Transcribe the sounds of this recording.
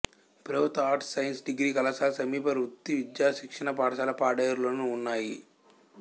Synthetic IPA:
pɾɐʋut̪aːɾʈsɐjinsɖiɡɾiːkɐlɐsaːlɐsɐmiːpɐɾut̪ːiʋid̪jaːʃikʂɐɳɐpaːɽɐʃaːlɐpaːɽɐjɐɾuloːnuːnːaːji

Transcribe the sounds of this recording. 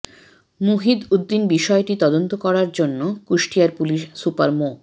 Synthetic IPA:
muɦid̪ud̪ːinbiʃɔeʈit̪ɔd̪ont̪okɔɾaɾd͡ʑonːokuʃʈiaɾpuliʃsupa̰ɾmo

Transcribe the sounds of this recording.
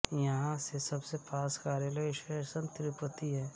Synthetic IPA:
jɐɦãsesɐbsepʰaːskaːɾjələʃesə̃nt̪ɾɪpət̪iɦɛː

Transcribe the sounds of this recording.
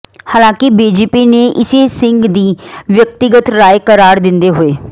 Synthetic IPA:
haːlãːkɪbiːd͡ʒeːpiːneːʔɪseːsɪŋɡd̪iːʋjək̚t̪ɪɡət̪ɾaːjkəɾaːɾd̪ɪnd̪eːɦoeː

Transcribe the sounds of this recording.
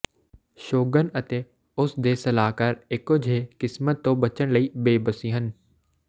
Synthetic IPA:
ʃoːɡənɐt̪e | ʊsd̪eːsɐlaːkɐɾekod͡ʒʱeːkɪsmət̪ːoːbɐt͡ʃəɽ̃ləiːbeːbəsiɦən

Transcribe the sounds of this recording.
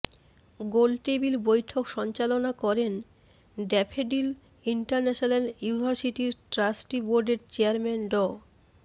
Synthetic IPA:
ɡolʈebiɾbojʈʰokʃɔnt͡ɕalonakɔɾen | ɖɛpʰeɖil | iɳʈaɾnɛʃonanjunibʱaɾsiʈiɾʈɾasʈiboɾɖeɾt͡ɕeaɾmɛnɖɔ

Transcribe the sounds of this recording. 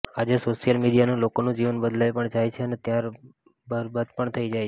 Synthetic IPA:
ad͡ʒesoʃijəlmiɽijanũlokonũd͡ʒiʋənbəd̪lajpəɳd͡ʒajt͡ʃʰeənet̪jaɾ | bəɾbad̪pəɳt̪ʰəid͡ʒajʰe

